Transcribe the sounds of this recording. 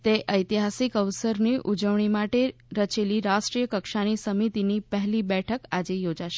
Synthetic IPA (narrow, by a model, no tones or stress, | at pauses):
t̪eʔəjt̪iɦasikəʋsəɾniʔud͡ʒəʋɳ̃imaʈeɾət͡ʃeliɾasʈɾijəkəkʃanisəmit̪inipəɦlibɛʈʰəkad͡ʒejod͡ʒaʃe